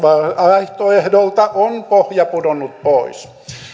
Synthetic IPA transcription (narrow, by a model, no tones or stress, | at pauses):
ʋɑɑiht̪oehdolt̪ɑʔonpohjɑpudonːˑut̪̚pois